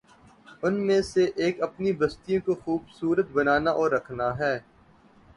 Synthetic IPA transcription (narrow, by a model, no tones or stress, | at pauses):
ʊnmẽseʔeːkɐpnibɐst̪ijõkoxuːbsuːɾət̪̚bɐnaːnaʔɔːɾːɐkʰnaɦɛː